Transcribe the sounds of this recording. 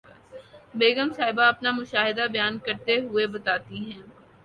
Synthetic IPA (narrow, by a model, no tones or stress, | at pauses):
beːɡəmsaːɪbaɐpnamʊʃaːɦɪd̪abɐjaːnkɐɾt̪eɦʊebɐt̪aːt̪iɦɛ̃ː